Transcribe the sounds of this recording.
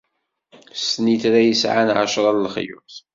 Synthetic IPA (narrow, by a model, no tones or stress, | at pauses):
sniθɾæjəsʕanʕaʃɾˤɑllχjṵθ